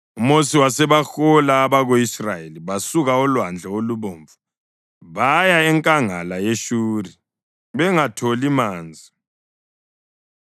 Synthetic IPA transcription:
umosiwasɛβaxɔlaːβaɣoisrajeliβasuɣaɔlwand͡ɮʱɛoluβoːɱvu | βajaɛŋkʼaŋalajeʃuːri | βɛŋatʰolimaːnd͡zʱi

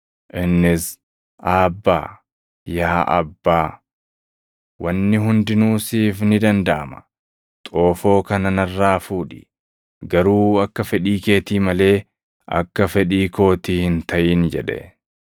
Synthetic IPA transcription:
ʔɪnːɪs | ʔaːbːa̰ː | jaːʔɐ̰bːaː | wɐnːɪɦʊnd̪ɪnuːsiːfnɪd̪ɐnd̪ɐʔɐ̰mɐ̥ | t̪ʼo̞ːfo̞ːkɐnɐnɐrːaːfuːᶑɪ̥ | ɡɐɾuːɐkːɐfɛᶑiːke̞ːt̪iːmɐle̞ː | ʔɐ̰kːɐfɛᶑiːko̞ːt̪iːhɪnt̪ʰɐʔiːnd͡ʒɛᶑɛ̰

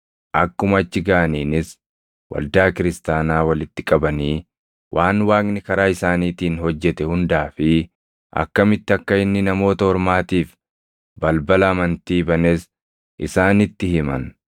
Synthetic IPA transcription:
ʔɐkːʊmɐt͡ʃːɪɡaːɐniːnɪs | wɐ̰ld̪aːkɪɾɪst̪aːnaːwɐlɪt̪ːɪkʼɐbɐniː | wʔaːnwaːkʼnɪkɐɾaːɪsaːniːt̪iːnɦɔd͡ʒːɛt̪ɛhʊnd̪aːfɪ | ʔɐ̰kːɐmɪt̪ːɪɐkːɐɪnːɪnɐmo̞ːt̪ɐhɔɾmaːt̪iːf | bɐlbɐlɐːmɐnt̪iːbɐnɛs | ʔɪsaːnɪt̪ːɪhɪmɐ̰n

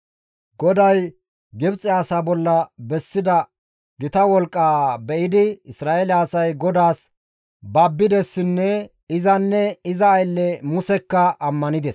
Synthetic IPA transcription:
ɡɔd̪ɐj | ɡɪbt͡sʼːɪjaːsaːbɔlːɐbɛsːɪd̪ɐ | ɡɪt̪ɐwɔlkʼːaːbɛʔɪd̪ɪɪsɾaːʔelɪasɐjɡɔd̪aːs | bɐbːɪd̪ɛsːɪnːɛ | ɪzɐnːɛɪzɐːjlːɛmʊsɛkːɐʔɐmːɐnɪd̪ɛs

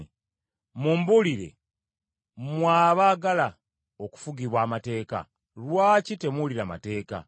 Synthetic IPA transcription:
mumbuliɾe̞̰ | mwaːβaːɡala | o̞ku̥fuɡiβwaːmate̞ːka̰ | lwaːcite̞muliɾama̰te̞ːka̰

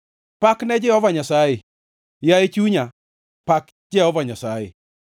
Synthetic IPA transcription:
paknɛd͡ʒɪɔvaɲasaɪ | jaet͡ʃuɲa | pak | d͡ʒeɔvaɲasajɪ̰

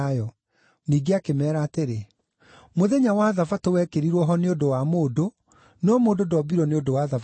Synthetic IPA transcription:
jɔ | niːɡeakemɛːɾaːteɾe | moðɛɲawaðafatowɛkeɾiɾwɔɦɔneodowamoːdo | nɔmoːdodɔbiɾɔneodowaðaf

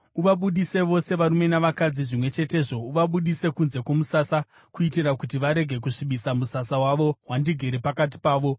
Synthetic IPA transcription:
uʋaɓuɗise̞ʋo̞se̞ʋaɾume̞naʋakad͡ziʐimwe̞t͡ʃe̞te̞ːʐo̞uʋaɓuɗise̞kunze̞kwomusasa | kuitirakutiʋaɾe̞ɡʱe̞k̬uʂiɓisamusasawaʋo̞ɦwandiɡʱeɾepakat̬i̥paːʋo̞

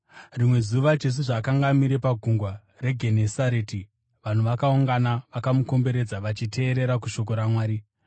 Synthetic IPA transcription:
rimwe̞zuʋad͡ʒe̞s̬uʐakaŋɡamiɾe̞paɡʱuŋɡwa | re̞ɡʱe̞nesaɾeti | ʋan̤uʋakauŋɡanaʋakamuko̞mbe̞ɾe̞d͡zaʋat͡ʃitʰe̞ːɾe̞ɾakuʃo̞k̬o̞ɾamwaːɾi

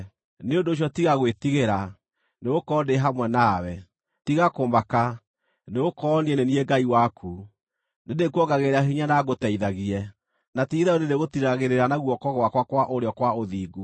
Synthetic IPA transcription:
neondoːɕ̬jɔtiɣaɣwetiɣeɾa | neɣokɔːdeɦamwɛnaːwɛ | tiɣakoːmbaka | neɣokɔniɛnenieɡaiwakʰu | nedekuɔɡaɣeɾeaɦiɲanaɣotɛiðaɣiɛ | natiiðaonedeɣotiɾaɣeɾeɾanaɣuɔkɔɣwakwakwaʔoɾeɔkwaoðiːɡu

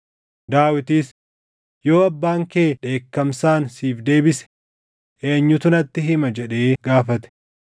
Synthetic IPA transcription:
d̪aːwɪt̪iːs | jo̞ːɐbːaːŋkeːᶑe̞ːkːɐmsaːnsiːfd̪e̞ːbɪsɛ̥ | ʔe̞ːɲːʊt̪ʊnɐt̪ːɪɦɪmɐd͡ʒɛᶑeːɡaːfɐt̪ɛ̥

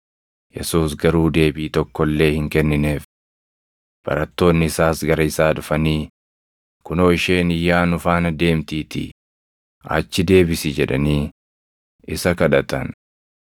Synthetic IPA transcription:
jɛsuːsɡɐɾuːd̪e̞ːbiːt̪ɔkːɔlːe̞ːhɪŋkɛnːɪneːf | b̥ɐ̰ɾɐt̪ːo̞ːnːɪɪsaːsɡɐɾɐɪsaːᶑʊfɐniː | kʊnoːɪʃe̞ːnɪjːaːnʊfaːnɐd̪e̞ːmt̪iːt̪ɪ̰ | ɐ̰t͡ʃːɪd̪e̞ːbɪsɪd͡ʒɛᶑɐ̰niː | ʔɪsɐkɐᶑɐt̪ɐ̰n

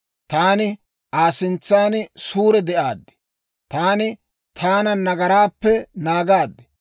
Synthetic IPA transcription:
t̪aːnɪ | aːsɪnt͡sːaːnɪsuːɾɛd̪ɛʔaːd̪ːɛ̥ | t̪aːnɪ | t̪ʰaːnɐnɐɡɐɾaːpːɛnaːɡaːd̪ːɛ̥

